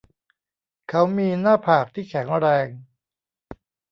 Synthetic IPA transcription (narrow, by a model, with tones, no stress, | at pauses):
kʰa˦˥wmiː˧naː˥˩pʰaː˨˩k̚t̪ʰiː˥˩kʰɛ˩˦ŋɾɛː˧ŋ